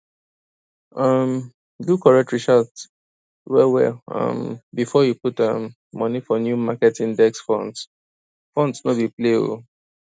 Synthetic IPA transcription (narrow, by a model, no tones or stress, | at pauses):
ʌm | dukʰɔɹɛk̚tɹiʃads | wɛwɛ̰ʌ̰̃mbifɔjuputʌmː | ʌnifɔnjumakɛtĩndɛksfɔ̰̃nds | fɔ̃ndsnobiplḛ